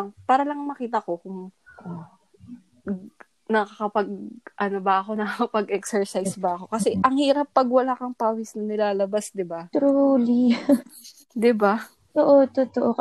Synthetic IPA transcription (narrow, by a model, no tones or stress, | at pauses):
ŋpaːɾɐlɐŋmɐkiːt̪ɐko̞kʊŋ | nɐkɐkɐpɐɡ̚ʔɐno̞bɐɐko̞nɐkakɐpɐɡʔɛksɛɹsajsbɐɐko̞kɐsɛʔɐŋhiːɾɐp̚ːɐɡwɐlaːkɐŋpaːwɪsnɐnɪlaːlɐbasd̪ɪbat̪ɾuːli | d̪ɪba | t̪oʔot̪ot̪oʔo